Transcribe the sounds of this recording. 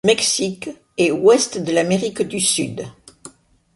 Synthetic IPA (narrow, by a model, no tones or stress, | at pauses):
mɛksik | ɛwɛst̪d̪əlameʁikd̪ysyd̪